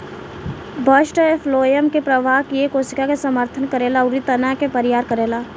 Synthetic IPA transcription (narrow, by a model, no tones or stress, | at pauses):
bəʃʈefʰloːjəmkepɾəʋaːɦkiekoːsɪkakesəməɾt̪ʰənkəɾeːlaʊɾit̪ənãkepəɾɪjaːɾkəɾeːlaː